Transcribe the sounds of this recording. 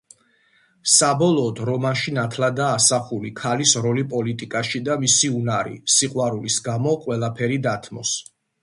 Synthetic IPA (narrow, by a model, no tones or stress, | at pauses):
sabɔlˠɔːd̪ɾɔmanʃinat̪ʰlad̪aːsaχulikʰalisɾɔlipʼɔlit̪ʼikʼaʃid̪amisiunaɾḭsiqʼwaɾulisɡamɔqʼwɛlˠapʰɛɾid̪at̪ʰmɔ̰s